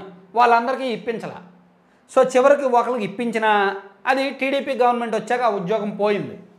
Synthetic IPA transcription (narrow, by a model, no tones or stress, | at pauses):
ʋaːɭːɐnd̪ɐɾikiːipːint͡ʃɐla̰ː | so̞ːt͡ʃiʋɐɾikiɔkɐlɐkipːiɲt͡ʃinaɐd̪iʈiːɽiːpiːɡɐʋɐɾnme̞ɳʈʋɐt͡ʃːaːkaːud̪jɔːɡɐmpoːjind̪i